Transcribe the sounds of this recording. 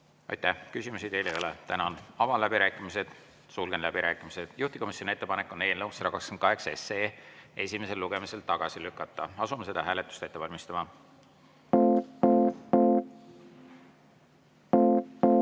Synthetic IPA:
ɑ̰jt̪æhkysʲimusid̪e̞jlejo̞let̪ænɑnɑvɑlæbiɾæːkːˑimise̞d̪̥ | sulɡ̥enlæb̥iɾæːkːˑimise̞d̪̥juht̪iko̞misjonie̞t̪ːe̞pɑnekːˑo̞neːnːɤwnsɾɑɡ̥ɑskɑnt̪̚kɑɦe̞ksesee̞sʲime̞se̞lːuɡ̥e̞mise̞lt̪ɑɡ̥ɑsilykːˑɑt̪ːˑɑɑsumese̞d̪̥ɑɦæːle̞t̪ːˑu̥st̪e̞t̪ːe̞vɑlʲmist̪ɑmɑ

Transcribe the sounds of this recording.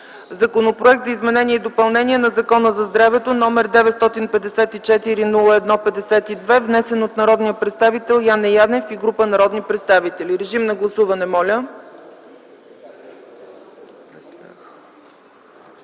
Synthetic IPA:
zɐkonopɾoɛk̚t̪zɐizmɛnɛniɛd̪opɐlˠnɛniɛnɐzɐkɔnəzɐzd̪ɾavɛt̪onɔmɛɾd̪ɛvɛt̪st̪ɔt̪inpɛd̪ɛsɛt̪it͡ʃɛt̪iɾinulˠəɛd̪nɔpɛd̪ɛsɛt̪id̪vɛvnɛsɛnot̪nɐɾɔd̪nijəpɾɛt̪st̪avit̪ɛlˠjanɛjad̪ɛfiɡɾupənɐɾɔd̪nipɾɛt̪st̪avit̪ɛliɾɛʒimnɐɡlˠɐsuvɐnɛmɔlʲə | ax

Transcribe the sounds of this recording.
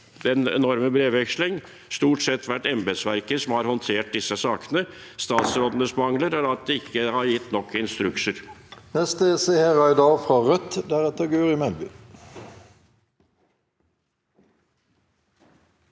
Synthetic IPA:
d̪ɛnɛ̰nɔɾməbɾeːʋɛkslɪŋ | st̪uːʈsɛt̪ʰːʋæʈːɛmbɛd̪sʋæɾkəsɔmhɑɾhɔnt̪ʰeːʈ̚d̪ɪsːəsɑːkənəst̪ɑːt̪sɾoːd̪ənəsmɑŋləɾəlɑt̪̚d̪ɛɪkʰːəhɑɾjɪt̪ːnɔkʰːəɪnst̪ɾʉksəɾnɛst̪əseheʁɑɪd̪ɑfʁɑʁœt̪d̪æʁɛt̪əɡøːʁɪmɛlby̰ː

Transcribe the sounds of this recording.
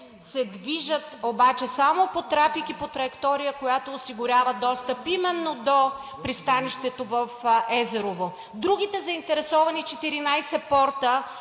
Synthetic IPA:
sɛd̪viʒət̪obat͡ʃɛsamopot̪ɾafikipot̪ɾɐjɛkt̪ɔɾijəkojat̪oːsiɡʊɾʲavəd̪ɔst̪əpimɛnːod̪opɾist̪aniʃt̪ɛt̪ovəfɛzɛɾovo | d̪ɾuɡ̟it̪ɛzɐint̪ɛɾɛsɔvɐnit͡ʃɛt̪iɾinajsɛpɔɾt̪ə

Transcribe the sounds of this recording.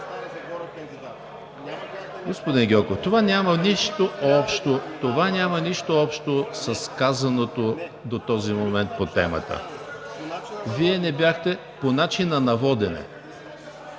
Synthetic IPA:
ɡospod̪inɡʲɔkoft̪ovanʲamɐniʃt̪oɔpʃt̪ot̪ovanʲamɐniʃt̪oɔpʃt̪osɐskazɐnot̪o | d̪ot̪ɔzimomɛnt̪̚pot̪ɛmə̰t̪ə̰ | viɛnɛbjaxt̪ɛ | ponat͡ʃinɐnɐvɔd̪ɛnɛ̰

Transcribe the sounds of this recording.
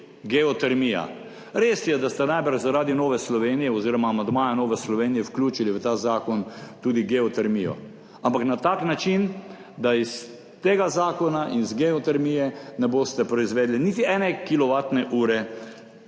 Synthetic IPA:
ɡɛɔt̪ɛɾmija̰ | ɾeːsjɛd̪ast̪ɛnajbəɾʒzaɾaːd̪inoːʋɛslɔʋeːnijɛɔziːɾɔmaːmand̪maːjanoːʋɛslɔʋeːnijɛwklʲjuːt͡ʃiliʋət̪aːzaːkɔnt̪uːd̪iɡɛɔt̪ɛɾmijɔ̰ | ampaknat̪aːknat͡ʃin | d̪ais | t̪eːɡazaːkɔnaʔinzɡɛɔt̪ɛɾmiːjɛnɛboːst̪ɛpɾɔizʋeːd̪liniːt̪iɛːnɛkilɔʋaːt̪nɛʔuːɾɛ

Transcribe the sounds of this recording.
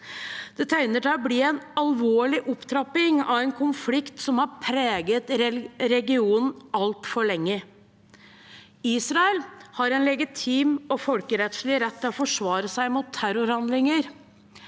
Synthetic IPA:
d̪̥ɛt̪ʰæɪnəʈʰɛɔbliːɛnɑlʋoːɭɪʔʊpt̪ʰɾɑpɪŋɑ̰ʋɛnkʰʊnflɪkt̪sɔmhɑɾpʰɾeːɡət̪ɾɾɛɡɪuːnn̩ɑlt̪fɔɭɛŋːə | iːsɾɑɛlhɑɾɛnlɛɡɪt̪ʰiːmɔfɔlkəɾɛt̪ʂɭɪɾɛt̪ʰːɛɔfɔʂʋɑːɾəsæɪmuːt̪ʰːæɾʊɾhɑnd̪lɪŋəɾ

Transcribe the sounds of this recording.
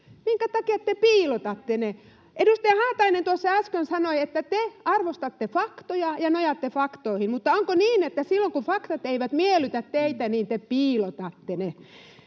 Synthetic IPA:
miŋkæt̪ɑkiɑt̪ːepiːlot̪ɑt̪ːene | ʔedust̪æjɑhɑːt̪ɑinent̪uosːɑæskønsɑnoiet̪ːæt̪eɑrʋost̪ɑt̪ːefɑkt̪ojɑjɑnojɑt̪ːefɑkt̪oihinmut̪ːɑoŋkoniːnet̪ːæsilːoŋkufɑkt̪ɑt̪eiʋæt̪mielyt̪æt̪t̪eit̪æniːnt̪epiːlot̪ɑt̪ːene

